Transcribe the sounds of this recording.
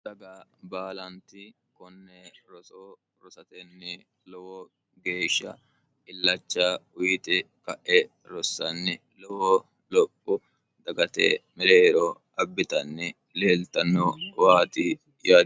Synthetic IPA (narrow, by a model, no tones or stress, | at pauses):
sɐɡaːbaːlɐnt̪ɪ | kɔnːɛɾɔsoː | ɾɔsɐt̪ɛnːɪ | lɔwɔ | ɡe̞ːʃːɐ̰ | ɪlːɐt͡ʃːaːʊjɪt̪ɛ | kɐʔɛ | ɾɔsːɐnːɪ | lɔwɔː | lɔpʼːʊ | d̪̥ɐɡɐt̪ḛːmɪɾeːɾɔ | ɐbːɪt̪ɐnːɪ | leːlt̪ɐnːowaːt̪ɪ | jaː